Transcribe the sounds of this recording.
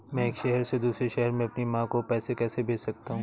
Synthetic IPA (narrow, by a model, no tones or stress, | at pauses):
mɛ̃ːeːkʃɛɦɛɾsed̪uːsɾeʃɛɦɛɾmẽɐpnimãːkopɛːsekɛːsebʱeːd͡ʒsɐk̚t̪aɦũː